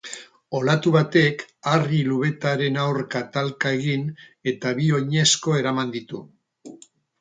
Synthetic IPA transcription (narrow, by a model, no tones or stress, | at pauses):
o̞lat̪uβat̪e̞kariluβe̞t̪aɾe̞nawɾkat̪alkae̞ɣin | e̞t̪aβio̞ɲe̞sko̞e̞ɾamand̪it̪u